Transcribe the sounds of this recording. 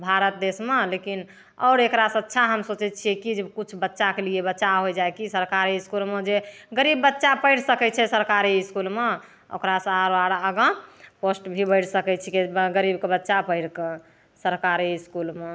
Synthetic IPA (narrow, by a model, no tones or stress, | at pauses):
bʱaɾət̪̚d̪esmelekin | ɔ̰ːɾekɾasə̃ətːʃʰaɦəmsot͡ʃɛt̪̚t͡ʃʰikid͡ʒekut͡ʃʰbətːʃakeliebətːʃaɦojd͡ʒajkisəɾkaɾiiskulmed͡ʒeɡəɾibːətːʃapəɪɽsəkɛt͡ʃʰɛsəɾkaɾiɪskulme | o̰kɾasə̃aɾoaɾaəɡə̃posʈbʱibəɪʈʰsəkɛt͡ʃʰikeɡəɾibkebətːʃapəɪɽkẽ | səɾkaɾiskulme